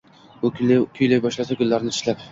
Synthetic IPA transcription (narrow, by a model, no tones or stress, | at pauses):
kʲʰʊjlajbɒʃlasakʊlːaɾnɪt̪ʰɪ̥ʃlap